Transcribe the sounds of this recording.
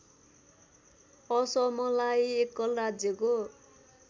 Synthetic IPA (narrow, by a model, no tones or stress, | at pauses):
ʌsʌmʌlajekːʌlrad͡zjʌko